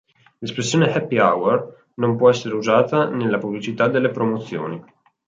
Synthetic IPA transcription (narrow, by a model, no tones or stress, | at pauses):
lespɾesːjoːnehɛpːiawer | nompwɔɛsːeɾeuzaːt̪anelːapublit͡ʃit̪ad̪ːelːepɾomot̪sːjo̰ːni